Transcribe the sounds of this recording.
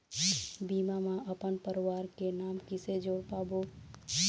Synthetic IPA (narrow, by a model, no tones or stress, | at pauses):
biːmamaəpənpəɾwaːɾkenaːmkɪsed͡ʒoːɽpaːbo